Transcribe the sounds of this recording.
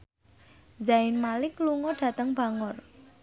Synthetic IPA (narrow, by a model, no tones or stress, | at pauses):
zaɪnmalɪkluŋɔɖ̥ä̤t̪əŋba̤ŋɔr